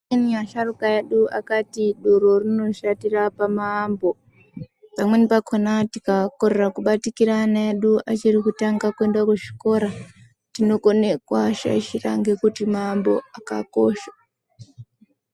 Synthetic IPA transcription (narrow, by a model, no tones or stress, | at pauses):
iniaʃarukaeɗua̰katiɗoɾo̞rino̞ʃatirapamaːmbo̞ | pamwe̞nipakʰonatikakoɾe̞rakuɓatikiɾanaeɗuʔat͡ʃirikutaŋɡakuendakuʃi̥ko̞ɾa | tino̞ko̞ne̞kwaʃa̰ʃira̰ŋɡekutimaːmbo̞̰aka̰ko̰ːʃḁ